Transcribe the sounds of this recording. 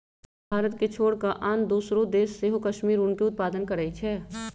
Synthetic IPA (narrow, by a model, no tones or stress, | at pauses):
bʱaːɾət̪ket͡ʃʰoːɽkaʔaːnd̪uːsɾõd̪eːsːeɦokɐʃmiːɾʊnkeʊt̪̚paːd̪ənkɐɾəit͡ʃʰɛː